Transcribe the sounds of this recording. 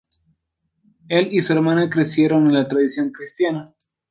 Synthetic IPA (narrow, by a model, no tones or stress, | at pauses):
elisue̞ɾmãnakɾe̞sje̞ɾo̞nenlat̪ɾaðisjo̞ŋkɾist̪jana